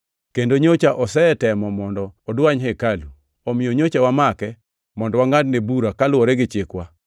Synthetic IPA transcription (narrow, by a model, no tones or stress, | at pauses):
kendoɲot͡ʃaʔɔsɛtɛmɔmɔndɔːdwaɲɦekalu | ɔmɪjoɲot͡ʃawamakɛ | mɔndɔwaŋadnebuɾakalwɔɾɛɡɪt͡ʃɪkwa